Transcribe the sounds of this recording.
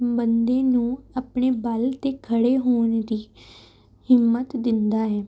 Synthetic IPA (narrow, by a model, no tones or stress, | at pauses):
bənd̪ẽːnũːaːpɳeːbəlt̪eːkʰəɽeːɦoːɳd̪iː | hɪmːət̪d̪ɪnd̪aːɦɛː